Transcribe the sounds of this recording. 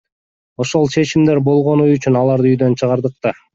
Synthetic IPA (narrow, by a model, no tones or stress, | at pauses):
o̞ʃo̞lˠt͡ʃʰe̞t͡ʃimd̪e̞ɾbo̞lˠʁo̞nuyt͡ʃynɑlˠɑɾd̪ɯyjd̪ø̞nt͡ʃʰɯʁɑɾd̪ɯq̚t̪ɑ